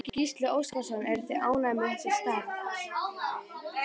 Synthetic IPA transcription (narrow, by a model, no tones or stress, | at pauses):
cɪcist̪lʏowskasɔnɛɾt̪ʰɪlaːwnamɪnsɛst̪aːɣ